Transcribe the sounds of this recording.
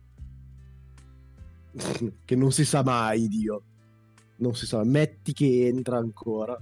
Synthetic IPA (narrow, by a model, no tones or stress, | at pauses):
kenːonsisamajd̪iːo | nonsisamajmɛt̪ːik̟eent̪ɾaːŋkʰoːɾa